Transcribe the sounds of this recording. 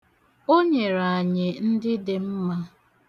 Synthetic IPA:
o˦ɲe˨ɾa˨a˨ɲɪ˨n̩˦dɪ˦dɪ˨m̩˦ma˦

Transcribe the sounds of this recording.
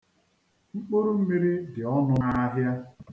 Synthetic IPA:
ŋ͡m̩˦k͡po˦ɾu˦m̩˦mi˦ɾi˦dɪ˨ɔ˦nʊ˦a˦ɦja˦

